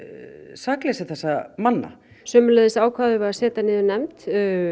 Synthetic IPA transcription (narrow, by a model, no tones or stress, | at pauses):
saːklɛːsaθɛsːamanːa̰ | sœːmʏlɛðɪsaːwkʰvaːðʏvaasɛːt̪anɪːðʏnɛmt̪